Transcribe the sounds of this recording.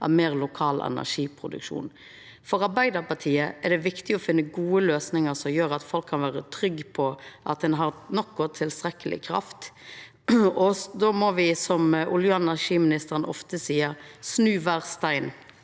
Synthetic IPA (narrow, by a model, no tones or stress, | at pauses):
ʔɑ̰ʋmeːʁlʊkʰɑːlɛ̰næ̰ʂiːpʰɾʊd̪ʉ̰kʂṵːn | fɔʁɑɾbæɪd̪əɾpɑt̪ʰiːəɛd̪ɛʋɪkt̪ɪɔfɪnːəɡuːəløːsnɪŋəɾsɔmjøːɾɑt̪fɔlkʰːɑnʋæːɾət̪ʰɾʏɡpʰɔʔɑ̰t̪̚d̪ɛnɦɑɾnɔkːɔt̪ʰɪlst̪ɾɛkːəlɪ̰kʰɾɑ̰ft̪ | ɔd̪omɔʋɪsɔmʔʊljʉːɛnæʂiːmɪnɪst̪əʁɾənɔ̰ft̪əsiːəɾsnʉːʋæːʁst̪æɪn